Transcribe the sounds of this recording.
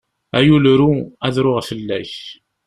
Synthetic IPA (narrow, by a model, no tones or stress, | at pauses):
æjulɾuæðɾʊʁfəlːæç